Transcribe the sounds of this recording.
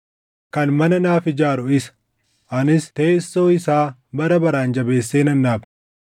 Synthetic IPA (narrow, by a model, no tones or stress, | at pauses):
kɐnmɐnɐnaːfɪd͡ʒaːɾʊɪsɐ̥ | ʔɐnɪst̪e̞ːsːo̞ːɪsaːbɐɾɐbɐɾaːnd͡ʒɐbe̞ːsːeːnɐnːaːb